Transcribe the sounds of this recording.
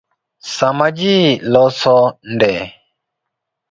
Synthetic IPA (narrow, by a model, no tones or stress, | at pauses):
samad͡ʒilɔsɔndɛ